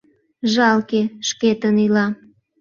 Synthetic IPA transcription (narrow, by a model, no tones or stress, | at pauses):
ʒɑlkeʃket̪ənylɑ